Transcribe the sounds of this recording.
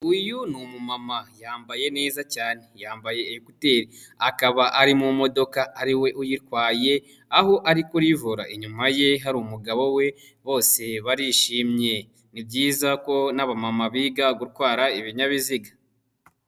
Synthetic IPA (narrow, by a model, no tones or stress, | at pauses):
ujunumumamajaːmbaje̞ne̞ːzacaːne̞jaːmbaje̞ːjukute̞ːɾi | akaβaʔaɾimumo̞do̞kaːɾiwe̞ʔujiɾkwaːje̞ | ahoʔaɾikuɾivuɾa̰ʔeɲumaje̞ɦaɾumuɡaβo̞we̞ | βo̞ːse̞βaɾiʃiːmɲe̞ | nib̚ɟiːzako̞naβamamaβiːɡaɡuɾkwaːɾaiβiɲaβiziɡa